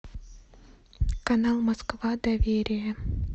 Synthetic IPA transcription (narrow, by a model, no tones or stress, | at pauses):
kɐnalˠmɐskvad̪ɐvʲeɾʲɪjə